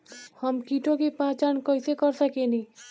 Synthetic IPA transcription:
həmkiʈokepãt͡ʃankojsekɔɾsəkeni

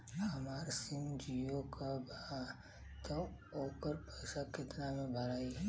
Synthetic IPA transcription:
ɦəmaːɾsɪ̃md͡ʒijokabaa | t̪ə | oːpəɾpəjsakɪt̪namẽbʱalaːiɦɛ

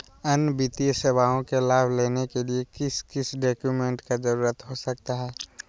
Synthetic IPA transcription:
ənbit̪ijseʋaːõkelaːbʱleːnekeliekɪskɪsɖɔːkjumẽːɳʈkad͡ʒɐɾuːɾət̪ɦosɐk̚t̪aɦɛː

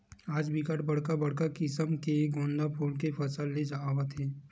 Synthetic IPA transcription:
aːd͡ʒbʱikaʈbɐɽkabɐɽ̤kakɪsəmkeɡõːnd̪apʰuːlkefʰɐsalːed͡ʒaːʋət̪ʰɦɛː

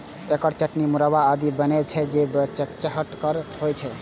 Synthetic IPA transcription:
ekəɾt͡ʃəʈnimuɾawaːd̪ibənɛt͡ʃʰɛd͡ʒebt͡ʃəʈt͡ʃəɦəʈkəɾɦojt͡ʃʰɛ

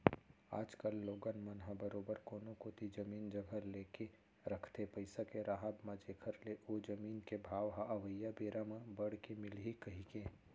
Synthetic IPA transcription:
a̰ːd͡ʒkəlːoːɡənmɐnɦãbəɾoːbəɾkoːnokot̪id͡ʒɐmiːnd͡ʒɐɡʱəɾleːke | ɾɐkʰt̪epɐɪsakeɾaːɦaːbmãd͡ʒeːkʰəɾleʔoːd͡ʒɐmiːnkebʱaːʋɦaʔɐʋəjːabeːɾamãbɐɽkemɪlɦikɐɦikẽː

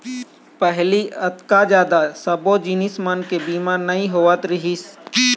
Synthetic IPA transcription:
pɛɦliɐt̪kad͡ʒjaːd̪asɐbod͡ʒiːnɪsmankebiːmaːɾnɐĩɦoʋat̪ɾɪɦis

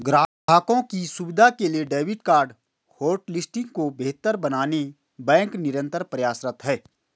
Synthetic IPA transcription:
ɡɾaːbʱaːkõkisubɪd̪ʱakelieɖeːwɪʈkaːɾɖ | hoːɾʈlɪsʈɪ̃ŋɡ̚kobeːɦt̪əɾbɐnaːne | bɛ̃ːŋknɪɾə̃nt̪əɾpɾɐjaːsɾət̪ɦɛː

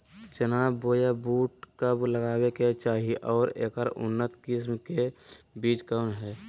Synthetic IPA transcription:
t͡ʃənaːbːoːjabuːʈkəbləɡaːweket͡ʃaːɦiʔɔːɾeːkəɾʊ̰nːət̪kɪs̬mkebiːʈkəːnɦɛː

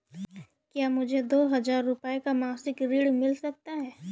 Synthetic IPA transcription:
kjaːmʊd͡ʒʱed̪oːɦɐzaːɾːʊpəekamãːsɪkɾiːɽmɪlsɐk̚t̪aɦɛː

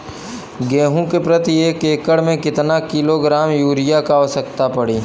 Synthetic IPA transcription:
ɡẽːɦũkepɾət̪ieːkeːkəɽmẽkɪt̪nakɪloɡɾaːmjuːɾɪjakaosəkt̪apɐɽiː

